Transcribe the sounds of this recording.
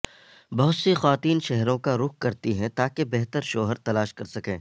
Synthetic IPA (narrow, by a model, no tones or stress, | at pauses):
bɐɦʊt̪sexaːt̪iːnʃɛɦɾõkaɾʊk̚ʰkɐɾt̪iɦɛ̃t̪aːkebɛɦt̪əɾʃoːɦəɾt̪ɐlaːʃkɐɾsɐkẽː